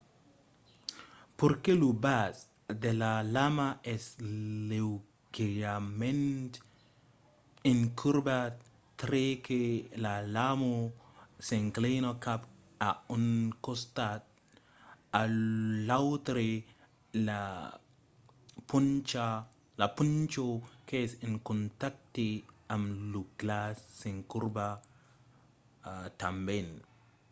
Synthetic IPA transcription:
poɾkelubas | d̪elalamaɛslew | ɡeɾamẽnt̪ | iŋkʰuɾba | t̪ɾekʰelalamosẽŋklejnokap | auŋkost̪at̚ | alawt̪ɾe | la | punt͡ʃa | lapunt͡ʃokesɪnkunt̪ak̚tiamluɡlasːiŋkuɾba | tamben

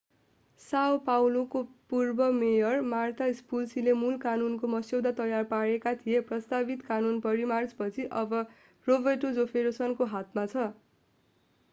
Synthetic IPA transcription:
sawpawlokopurbʌmejʌrmart̪ʰaispulsilemulkanunkomʌsjewd̪at̪ʌjarpaɽekat̪ʰijeprʌst̪abit̪kanunpʌɾimart͡spʌt͡sʰiʔʌbʌ | robʌʈod͡zopʰeɾosʌnkoɦat̪mat͡sʰʌ

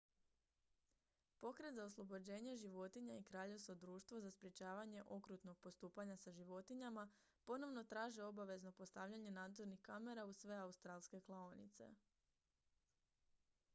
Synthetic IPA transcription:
po̞kɾe̞t̪zaoslˠo̞bo̞d͡ʑe̞ːɲe̞ʒiʋo̞t̪iɲaikɾaːʎeʋsod̪ɾuːʃt̪ʋozaspɾje̞t͡ɕaːʋaɲe̞ʔo̞kɾut̪no̞ɡ̥̚po̞st̪uːpaɲasaʒiʋo̞t̪iɲama | po̞no̞ʋno̞t̪ɾaːʒio̞baʋe̞zno̞po̞st̪aʋʎaɲe̞naːd̪zo̞ɾnixkame̞ɾausʋe̞aust̪ɾaːlˠske̞klˠaonḭt̪se̞̰

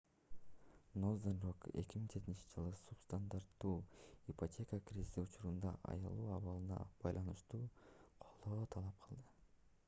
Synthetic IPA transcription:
nozd̪enɾoke̞̰kʲimiŋd͡ʒʰet̪int͡ʃi̥d͡ʒɯlˠɯsupst̪and̪aɾt̪ːuːipo̞tʲʰe̞kakrʲizʲisiut͡ʃuɾund̪ɑʔɑ̰jɑlˠuːɑβɑlˠɯnɑ̰b̥ɑjlˠɑnɯʃt̪uːqʰo̞lˠd̪o̞ːt̪ʰɑlˠɑp̚qʰɯlˠd̪ɯ

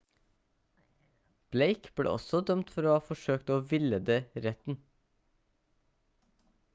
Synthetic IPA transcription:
b̥leɪkb̥ɽḛːʔɔ̰sɔd̪œmt̪fɔɾoːhɑːfɔʃøːkt̪oːʋɪləd̪eːɾɛt̪n̩

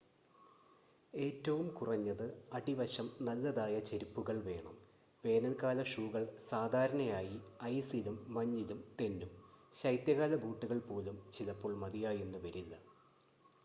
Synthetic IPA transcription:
e̞ːtːɐʋumkurɐɲːɐðɨɐɖiʋɐɕɐmnɐlːɐðaːjɐt͡ɕe̞ɾipːuɣɐɭʋe̞ːɳɐm | ʋe̞ːnɐlkaːlɐʂuːɣɐɭsaːd̪ʱaːɾɐɳɐjaːjiɐjsilumːɐɲːilumt̪e̞ndumɕɐjt̪jɐɣaːlɐbuːʈːuɣɐɭpo̞ːlumt͡ɕilɐpːoːɭmɐðijaːjenːuʋɐɾilːɐ

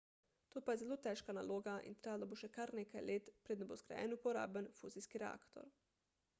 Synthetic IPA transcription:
t̪oːpajɛzɛloːt̪ɛːʃkanaloːɡaʔḭnt̪ɾeːalaboʃɛkaɾnekajleːt̪pɾeːd̪nboskɾa̰jɛ̰nupɔɾa̰ːbənfuziskiɾɛa̰ːkt̪ɔ̰ɾ

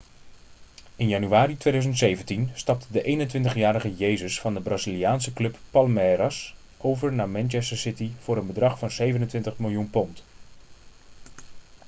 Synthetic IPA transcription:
ɪnjɑnyʋaːɾitʋejdœzəntsejvəntinstɑp̚tdəʔejnəntʋɪntəχjaːɾəχəjejzəsfɑndəbraːzilijaːnsəklɵpːɑlmɛɾɑs | ʔowvəɹnaːmɛnt͡ʃɛstəɹsɪtiv̥ʊːɾənbədrɑχfɑnzejvənəntʋɪntəχmɪlˠjunpɔnt

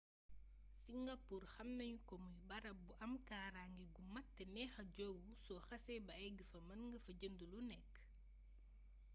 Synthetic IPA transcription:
siŋɡɐpuːrxɐmnɐɲukɔmujbɐɾɐbuʔɐmkaːɾaŋɡiɡumɐtːɛnɛxɐɟɔwusɔxɐsɛbɐɛɡifɐmɐnŋɡɐfɐɟəndulunɛkː

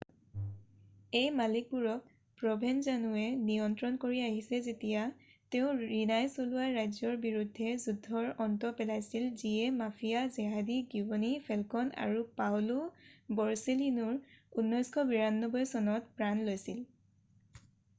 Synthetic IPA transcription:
ejmalik̚buɹɔk̚ | pɹɔbʱɛnzanuɛnijɔntɹɔnkoɹiaɦisɛzetijateʊ̃ɹinajsoluwaːajzɔɹbiɹudʱːɛzudʱːɔɹɔntɔpɛlajsilziɛmafʰijazɛɦadiɡibɔnipʰɛlkɔna̰ɹupawlubɔɹselinɔɹunːɔjskʰɔbiɹanːɔbɔjsɔnɔtpɹanlojsil

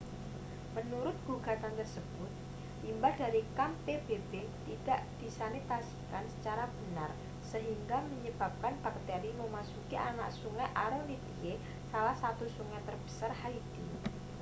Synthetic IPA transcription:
mənuɾʊt̪̚ɡ̥uɡ̥a̤t̪ant̪ərsəb̥ʊt̪̚ | limbaldaɾikampebebet̪id̥aʔd̪̥i̤sanit̪asi̥kansə̥t͡ʃaɾab̥ənar | səɦiŋɡaməɲəb̥a̤p̚kanb̥a̤k̚t̪eɾiməmasukiʔana̰ʔsuŋɛʔaɾəŋlit̪ie | salahsat̪usuŋɛt̪ərb̥ə̥sarhaid̥i

